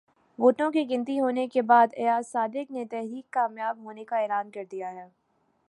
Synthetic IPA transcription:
ʋoːʈõkiɡɪ̃nt̪̬iɦoːnekebaːd̪ejaːsːaːd̪ɪknet̪ɛɦɾiːkːaːmjaːbɦoːnekaeːlaːnkɐɾd̪ijaɦɛː

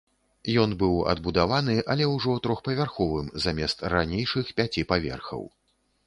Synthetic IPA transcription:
jɔnbɨwɐ̰d̪̚bud̪avanɨʔɐlʲɛwʐɔt̪ɾɔxpɐvʲarxɔvɨmzamʲɛst̪ranʲejʂɨxpʲat͡sʲipavʲɛ̰rxɐ̰w

